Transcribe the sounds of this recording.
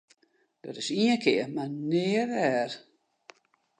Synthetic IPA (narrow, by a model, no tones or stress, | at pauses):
d̥ɔtɪsiə̃nkʰɪəmanɪːəʋɛːr